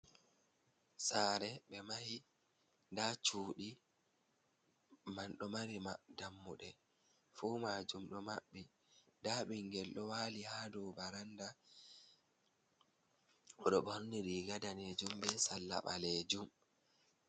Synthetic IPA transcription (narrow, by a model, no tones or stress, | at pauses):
saːɾɛɓɛmahi | ndat͡ʃuːɗi | manɗɔmaɾimadamːuɗɛ | fuːmaːd͡ʒumɗɔmaɓːi | daːɓiŋɡɛlɗɔwaːlihaːdɔbaɾanda | ɔɗɔɓɾniɾiɡadaned͡ʒumbɛsalːa̰ɓaleːd͡ʒum